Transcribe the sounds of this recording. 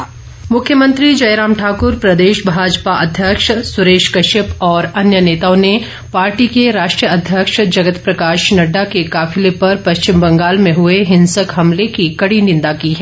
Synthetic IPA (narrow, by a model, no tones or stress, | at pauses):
mʊkʰjəmə̃nt̪ɾid͡ʒɐɪɾaːmʈʰaːkʊɾpɾɐd̪eːʃbʱaːd͡ʒpaʔɐd̪ʱjəkʃsʊɾeːʃkɐʃɪpɔːɾɐnjəneːt̪aːõne | paːɾʈikeɾaːʃʈɾijəɐd̪ʱjəkʃd͡ʒɐɡət̪pɾɐkaːʃnɐɖːakekaːfɪlepɐɾpɐst͡ʃɪmbɐ̃ŋɡaːlmẽɦʊeɦɪ̃nsəkɦɐmlekikɐɽinɪ̃nd̪akiɦɛː